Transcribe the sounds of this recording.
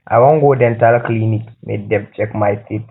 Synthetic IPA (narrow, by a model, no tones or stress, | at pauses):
ʔa̰wɔŋɡodɛntalklinikmḛdɛb̚t͡ʃʼɛkmajtit